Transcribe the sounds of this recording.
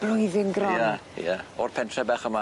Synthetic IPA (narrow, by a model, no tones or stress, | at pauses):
b̥lʊjðɪnɡrɔjajaɔrpʰɛntʰrɛbɛχəma